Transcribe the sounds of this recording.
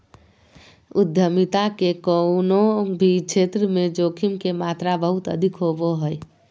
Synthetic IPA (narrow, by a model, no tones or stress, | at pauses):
ʊd̪ʱjəmit̪akekənobʱit͡ʃʰeːt̪ɾəmẽd͡ʒoːkʰimkemaːt̪ɾabəɦʊt̪ə̰d̪ʱikɦoboɦəj